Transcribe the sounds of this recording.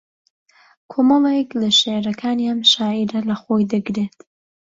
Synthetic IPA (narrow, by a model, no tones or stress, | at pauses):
kʰoːmɐlˠeklɐʃeɾɐkʰaːniamʃaːiɾɐlɐxoːjd̪ɨɡɾeːt̪